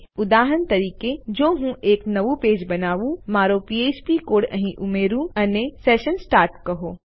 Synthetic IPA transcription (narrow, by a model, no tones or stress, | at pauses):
ʊd̪aːɦənt̪ɐɾiːked͡ʒoːɦũʔeːknɐʋupeːd͡ʒbɐnaːʋũmaːɾopieːt͡ʃpikoːɽɐɦĩʔʊmeːɾũɐnesɛːʃənsʈaːɾʈkɐɦoː